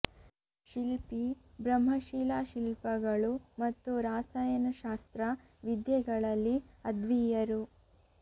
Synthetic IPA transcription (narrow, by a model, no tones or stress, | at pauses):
ʃilpibɾɐmɦɐʃilaʃilpɐɡɐɭumɐt̪ːuɾaːsaːjɐnɐʃaːst̪ɾɐ | ʋid̪jɛɡɐɭɐlːiɐd̪ʋijɐɾu